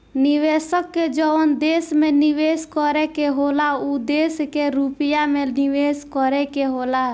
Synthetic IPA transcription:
nɪʋeːsəkːed͡ʒɔənd̪eːsmẽnɪʋeːskɔɾɛkeɦoːlaud̪eːskeɾupɪjamẽnɪʋeːskɔɾɛkeɦoːla

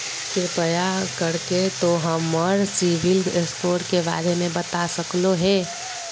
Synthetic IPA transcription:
kɪɾpəjakəɾket̪oɦəmːəɾsiʋɪleskoːʈkeba̰ːɾemẽbət̪asəkloɦɛ̃ː

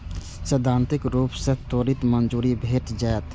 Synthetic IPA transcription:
səd̪ʱːãːnt̪ɪkɾuːpset̪oːɾit̪mənd͡ʒuːɾibʱeːʈd͡ʒaːet̪

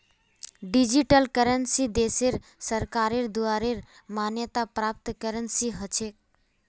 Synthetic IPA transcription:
ɖid͡ʒiʈəlkəɾənsid̪eseɾsəɾkaɾeɾd̪uaɾeɾ | manjət̪apɾap̚t̪kəɾənsiɦət͡ʃʰek̚

